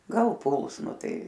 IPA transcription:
ˈɡɐlˠ ˈpʊlˠs ˈnʊ ˈtɐɪ

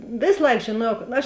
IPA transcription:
ˈʋʲeːs ˈlˠɐɪk ʒʲeːˈnuɔjɛʊ ɐʃ

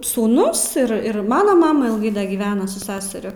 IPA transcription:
suːˈnʊs ɪr ɪr ˈmɑːnoː ˈmɑːmɐ ɪlˠˈɡɐɪ dɐ ɡʲiːˈʋʲæːnɐ sʊ ˈsʲæːsʲɛrʲʊ

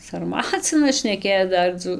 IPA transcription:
sɐrˈmɑːt͡sʲɪnɐs ʃʲnʲɛˈkʲeːt͡s ˈdɐr d͡zuː

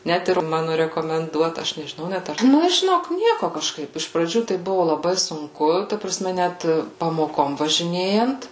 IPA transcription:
ˈnʲɛt ɪr ˈmɑːnʊ rʲɛkoːmʲɛnˈduɔtɐ ˈɐʃ nʲɛʒʲɪˈnɐʊ ˈnʲɛt ɐr ˈnʊ ʒʲɪˈnoːk ˈnʲiɛkʊ kɐʃˈkɐɪp ɪʃ prɐˈd͡ʒʲuː tɐɪ ˈbʊʋʊ lˠɐˈbɐɪ sʊŋˈkʊ tɐ prɐˈsʲmʲɛ ˈnʲæt pɐmoːˈkoːm ʋɐʒʲɪˈnʲeːjɛnt

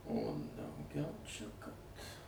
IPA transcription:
oː dɐʊˈɡʲɛʊ ˈt͡ʃʲɛ ˈkɐt

